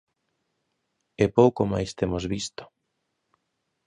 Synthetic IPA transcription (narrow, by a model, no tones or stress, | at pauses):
epowkoma̰jst̪emozβist̪ʊ̥